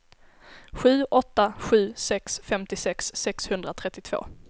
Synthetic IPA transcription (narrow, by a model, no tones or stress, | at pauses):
ɧʉ̟ːʔɔt̪ːaɧʉ̟ːsɛksfɛmt̪ɪsɛksːɛkshɵnd̪ɾat̪ʰɾɛt̪ːɪt̪ʰv̥o̰ː